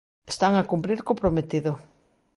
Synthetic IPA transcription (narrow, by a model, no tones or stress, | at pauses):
est̪aŋakumpɾiɾkopɾomet̪iðʊ